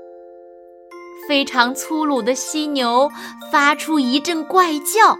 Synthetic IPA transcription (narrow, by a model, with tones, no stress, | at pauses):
fe˥ɪʈ͡ʂʰɑ˧˥ŋt͡sʰu˥lu˨˩d̪ə˦ɕi˥njo˧˥ʊfa˥ʈ͡ʂʰu˥i˧˥ʈ͡ʂə˥˧nkwa˥˧ɪt͡ɕjɑ˥˩ʊ